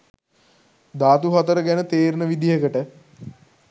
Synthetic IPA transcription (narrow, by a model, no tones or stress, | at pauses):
d̪aːt̪uɦat̪əɾəɡænət̪eːɾnəʋid̪ijəkəʈə